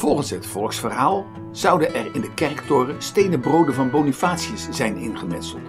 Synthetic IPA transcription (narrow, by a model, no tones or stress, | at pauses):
v̥ɔlˠχənsɦətfɔlˠksfərɦaːlˠ | z̥ɑwdənʔɛrɪndəkɛrktʊːrəstejnəbrowdəvɑnbownyfaːtsiəsz̥ɛjnɪ̰nχəmɛtsəl̩ˠt